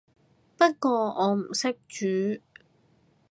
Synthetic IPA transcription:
pɐ˥t̚kɔː˧ʔɔː˨˧m̩˨˩sɪ˥k̚t͡ʃyː˨˥

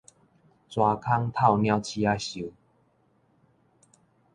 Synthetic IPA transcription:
t͡swa˨kʰa˦ŋt̪ʰa˥˨wnja˧˦wt͡ɕʰi˧a˦ɕu˨˦

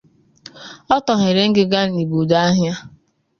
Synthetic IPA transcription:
ɔ˦tɔ˨ɦe˨ɾe˨˦ŋ̩˦ɡɪ˦ɡa˦n˨i˨bu˨da˦ɦja˦

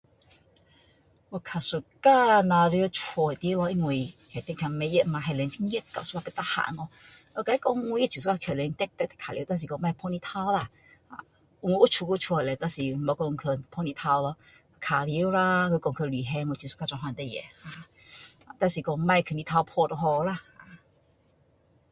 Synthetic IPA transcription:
ɔ˧kʰa˨˩su˧ka˧nã˧ɾjt͡ʃʰwɔ˧e˨t̪ji˧˦lɔ˧i˧ŋwi˧hɛ˨˩t̪ɛ˧˦ŋkʰa˧me˧˦jə˧tma˧ɦɛ˨lɛ˨˧ŋt͡ɕi˧˥˦ŋjə˧˦t̚ka˨su̥˧a˧pe˧t̪a˧˩ha̰˨˩˦nɔ˧ | o˧˩ka˧i˦kɔ˧ŋu˧˦je˦t͡ɕʰi˨s̬u˦˧ka˧kʰe˧˩lɛ˨˧˦ŋt̪ɛ˧˥k̚t̪ɛ˧˥t̪ɛ̥˧kʰa˨lḭ˧˦t̪a˥˧ns̬i˨kɔ˧ŋ˧mã˥˧jpʰɔ˧nĩ˧t̪ʰa˧wla˧ | ha̰˧ | ŋwʔu˦t͡ʃʰu˧ku˧t͡ʃʰɔ˧e˨le˨˩t̪a˧nsi˨m̩˨mo˧˦˧kɔ˧ŋkʰə˧pʰɔ˧nĩ˧t̪ʰa˧wlɔ˧ | kʰa˨˩li˧˦wla˧kə˧kɔ˧ŋkʰə˧li˨˩ɦɛ˧ŋ˧˨t͡ɕʰi˨˩su̥˧˦ka˧t͡ɕwa˧˩ɦwa˧nt̪e˧jɛ̰˨ha˧˩ | a˨t̪a˧nsi˨˩kɔ˧ŋmã˧jkʰə˧˩nĩ˧t̪ʰa˧wpʰɔ˧t̪o˧ɦɔ˧la˧˩ha˧˩

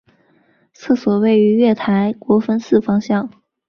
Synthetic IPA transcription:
t͡sʰɤ˥˩swɔ˨˩we˥˩ɪy˧˥ɥɛ˥˩t̪ʰa˧˥ɪkwɔ˧˥fə˥nsɹ̩˥˩fɑ˥ŋɕjɑ˥˩ŋ

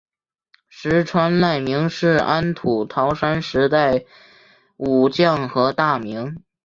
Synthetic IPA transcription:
ʂɻ̩˧˥ʈ͡ʂʰwa˥nla˥˩ɪmi˧˥ŋʂɻ̩˥˩a˥nt̪ʰu˨˩t̪ʰɑ˧˥ʊʂa˥nʂɻ̩˧˥t̪a˥˩ɪ | u˨˩t͡ɕjɑ˥˩ŋxɤ˧˥t̪a˥˩mi˧˥ŋ

